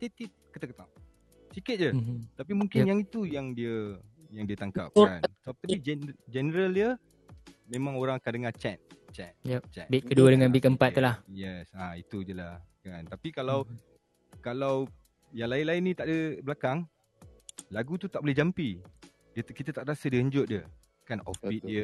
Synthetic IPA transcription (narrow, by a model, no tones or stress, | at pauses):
t̪et̪ip̚kət̪akət̪aʔ | sikɪt̪̚d͡ʒət̪apimũŋkɪnjaŋit̪ujaŋdiəjaŋdiət̪aŋka̰p̚ansəbap̚t̪abid͡ʒɛd͡ʒɛnəɾəldə | mẽmãŋoɾaŋakadəŋat͡ʃɛt̪̚t͡ʃɛ̰t̪̚jɛt͡ʃɛ̰t̪bit̪̚kəduədəŋãnbikəmpat̪ːəlahjɛsait̪ud͡ʒəlahkant̪apikalaw | kalaw | jaŋlaɪnlaɪnĩt̪aʔdəblakaŋ | laɡut̪ut̪aʔ̚bolɛhd͡ʒampi | diəkit̪at̪aʔɾasədiəhəɲd͡ʒʊt̚diə | kanɔ̰fbit̪diə